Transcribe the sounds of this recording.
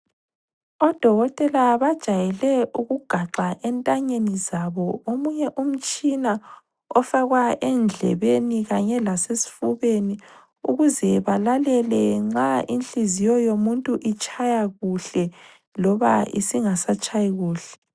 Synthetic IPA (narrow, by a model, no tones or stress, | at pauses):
ɔd̥ʱɔɣɔtʼɛlaβad̥ʒ̥ʱajɛlɛʔuɣuɡ̥ʱaǁaʔɛntʼaɲenizaβɔomuɲɛʔum̩t͡ʃʼina | ɔfaɣwaʔɛnd͡ɮʱɛ̰βeniɣaɲɛlasesi̥fuβeni | uɣuzɛβalalɛlɛŋ͡ǁaʔinɬizijɔjomuntʼuʔit͡ʃʼajaɣuɬɛ | lɔβa̰ḭsiŋasat͡ʃʼajiɣuːɬɛ̥